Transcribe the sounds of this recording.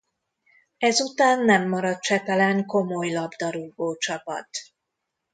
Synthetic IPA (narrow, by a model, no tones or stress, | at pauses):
ɛzut̪aːnːɛmːɒɾɒt̪̚t͡ʃɛt̪ɛlɛŋko̞mo̞jlɒbd̪ɒɾuɡboːt͡ʃɒpɒ̰t̪